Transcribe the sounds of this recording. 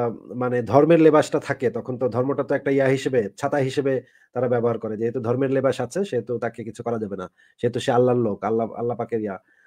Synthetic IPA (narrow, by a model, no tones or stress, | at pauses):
maned̪ʱɔɾmeɾlebaʃʈat̪ʰaket̪ɔkʰont̪od̪ʱɔɾmoʈat̪oɛk̚ʈaiaɦiʃebet͡ɕʰat̪aɦiʃebe | t̪aɾabɛboɦaɾkɔɾed͡ʑeɦet̪ud̪ʱɔɾmeɾlebaʃat͡ɕʰeʃeɦet̪ut̪akekit͡ɕʰukɔɾad͡ʑabena | ʃeɦet̪uʃealːaɾlokalːaa̰lːapakeɾia